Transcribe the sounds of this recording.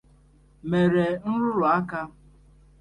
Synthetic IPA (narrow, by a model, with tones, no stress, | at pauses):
me˨ɾe˨n̩˦ɾʊ˦ɾʊ˨a˦ka˦